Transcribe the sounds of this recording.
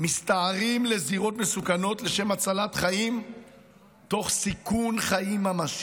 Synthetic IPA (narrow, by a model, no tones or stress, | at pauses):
mistaːʁimle̞ziʁo̞tme̞sukano̞tle̞ʃe̞mat͡salatχaim | to̞χsikunχaimamas